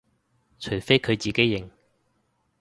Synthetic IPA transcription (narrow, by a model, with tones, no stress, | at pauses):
t͡ʃʰɵ˨˩ɥfe˥jkʰɵ˨˧ɥt͡siː˨ke˥jːɪ˨˩ŋ